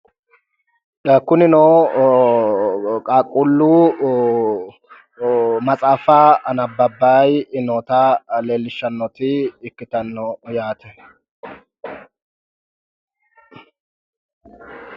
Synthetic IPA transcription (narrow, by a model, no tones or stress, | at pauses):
ɐkːʊnɪnoː | kʼakʼːʊlːuː | mɐt͡sʼaːfaːɐnɐbːɐbːaːjɪnoːt̪aleːlːɪʃːɐnːɔt̪ɪːkːɪt̪ɐnːɔjaːt̪ɛ